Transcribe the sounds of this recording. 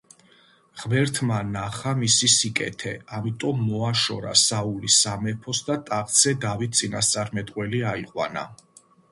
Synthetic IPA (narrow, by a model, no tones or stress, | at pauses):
ʁmɛɾt̪ʰmanaχamisisikʼɛ̰t̪ʰɛamit̪ʼɔmːɔaʃɔ̰ɾa̰saulisamɛpʰɔsd̪at̪ʼaqt̪sʰɛd̪avit̪̚ʰt̪sʼinast̪sʼaɾmɛt̪ʼqʼwɛliaiqʼwa̰na̰